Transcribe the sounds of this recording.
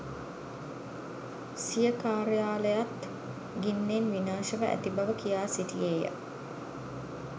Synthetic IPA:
sijəkaːɾəjaːləjat̪ | ɡinːenʋinaːʃəʋəʔæ̰t̪ibɐʋəkijaːsiʈijeːjə̰

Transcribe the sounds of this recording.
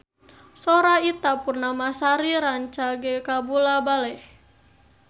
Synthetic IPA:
soɾait̪apurnamasaɾiɾaɲt͡ʃaɡɛkabulabalɛh

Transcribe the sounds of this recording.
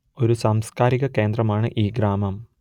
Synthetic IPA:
o̞ɾusaːmskaːɾiɣɐke̞ːnd̪rɐmaːɳɨʔiːɡɾaːmɐm

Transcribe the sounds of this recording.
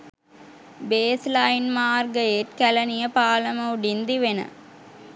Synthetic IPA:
beːslɐjnmaːrɡəeʈkælɐnijəpaːlɐmɐuɖind̪iʋenə̰

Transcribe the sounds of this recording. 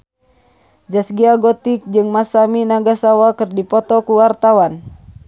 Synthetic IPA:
d͡ʒasɡiaɡɔt̪ik̚d͡ʒɨŋmasaminaɡasawakɨrdipɔt̪ɔkuwart̪awan

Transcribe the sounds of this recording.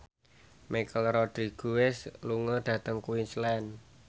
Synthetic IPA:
makəlrɔd̪̥ɾiɡ̥uwɛsluŋəd̪̥ä̤t̪əŋkuwislɛn

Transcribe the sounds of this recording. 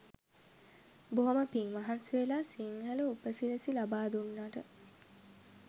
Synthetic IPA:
boɦoməpiŋʋaɦansʋelaːsiŋɦələupəsiləsilabaːd̪unːaːʈə

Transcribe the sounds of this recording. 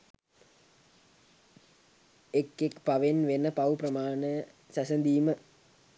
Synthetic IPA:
ekːekpaʋenʋenəpɐʋuprɐmaːnə | sasənd̪iːmə

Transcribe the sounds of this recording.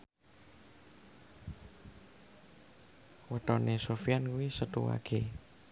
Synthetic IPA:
wəʈɔnesofijankuwisət̪uwa̰ke

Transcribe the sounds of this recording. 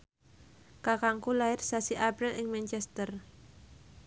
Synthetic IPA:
kakaŋkulaɪrsasiʔapɾɪlʔɪŋmɛnt͡ʃɛst̪ər

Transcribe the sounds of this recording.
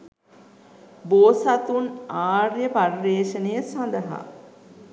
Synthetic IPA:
boːsat̪unaːrjəparːeːʃənəjəsand̪əɦa̰

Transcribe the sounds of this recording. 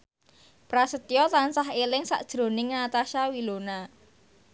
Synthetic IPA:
pɾasət̪ijɔtlansaɦelɪŋsa̰ʔd̥ʒ̥ɾo̤nɪŋnat̪aʃawilona

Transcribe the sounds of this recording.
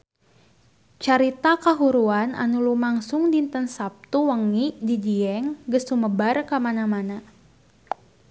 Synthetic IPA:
t͡ʃaɾit̪akaɦuɾuana̰nulumaŋsʊŋdint̪ənsap̚t̪uwəŋidid͡ʒiɛŋɡəsuməbarkamanamana

